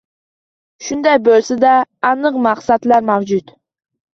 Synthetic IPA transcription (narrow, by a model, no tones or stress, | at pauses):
ʃund̪ɑjbølsɪd̪ɛːnɨqmɑχsɑt̪læɾmæwd͡ʒut̪